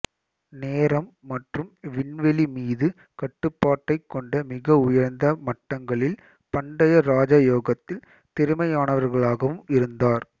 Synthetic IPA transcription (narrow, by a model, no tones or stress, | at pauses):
neːɾɐmːɐʈrɯmʋɪnʋɛlimiːðɯ | kɐʈːɯpːaːʈːɐɪkːɔɳɖɐmɪɣɐʊjɐɾnd̪ɐmɐʈːɐŋɡɐɭɪl | pɐɳɖɐjɐɾaːd͡ʒaːjoːɣɐt̪ːɪl | t̪ɛɾɯmɐjaːnɐʋɐɾɣɐɭaːɣɐʋɯmɪɾɯnd̪aːɾ